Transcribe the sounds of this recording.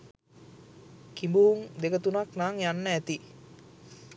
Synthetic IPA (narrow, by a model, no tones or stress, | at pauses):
kimbuŋd̪ekət̪unak̚naŋjanːəɛt̪i